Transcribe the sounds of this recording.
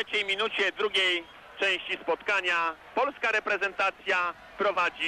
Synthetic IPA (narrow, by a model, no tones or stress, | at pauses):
ɛt͡ɕɛjmʲinut͡ɕɛd̪ɾuɡʲej | t͡ʂɛ̃w̃ɕt͡ɕispɔt̪kaɲapɔlskaɾɛpɾɛzɛnt̪at̪sʲja | pɾɔvad͡ʑi